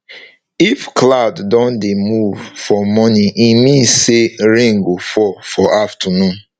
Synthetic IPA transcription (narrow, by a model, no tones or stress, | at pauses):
ifkladdɔ̃ndemuvfɔmɔnĩʔimĩseɹẽŋɡofɔfɔʔaftənũn